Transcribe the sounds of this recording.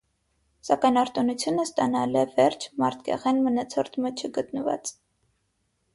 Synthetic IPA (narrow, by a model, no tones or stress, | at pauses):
sɑkɑjnɑɾt̪unut͡sʰjunəst̪ɑnɑlɛvɛɾt͡ʃʰmɑɾt̪̚ʰɡɛ̰ʁɛnmənɑt͡sʰɔɾt̪ʰmət͡ʃʰəɡət̪nəvɑ̰t͡s